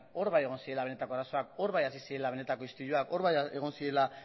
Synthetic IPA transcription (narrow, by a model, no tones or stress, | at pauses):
o̞ɾβaje̞ɣ̞o̞nsie̞laβe̞ne̞t̪ako̞aɾaso̞ako̞ɾβajasisie̞laβe̞ne̞t̪ako̞ist̪uɾuako̞ɾβajeɣ̞o̞nsie̞la